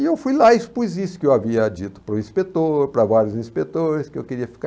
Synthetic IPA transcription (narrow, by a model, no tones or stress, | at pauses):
ɪewfujlaispuzisʊ̥kɪewaviɐd͡ʒit̪ʊ̥pɾʊĩspet̪oɾpɾɐvaɾjʊzĩspet̪oɾɪskɪewkeɾiɐfi̥ka